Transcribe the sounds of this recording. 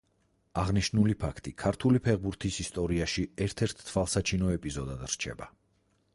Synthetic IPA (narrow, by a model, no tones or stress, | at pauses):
aʁniʃnulipʰakʰt̪ʼikʰaɾt̪ʰulipʰɛʁbuɾt̪ʰisist̪ʼɔɾiaʃiɛɾt̪ʰɛɾt̪ʰːvalˠsat͡ʃʰinɔɛpʼizɔd̪ad̪ɾ̥t͡ʃʰɛ̰ba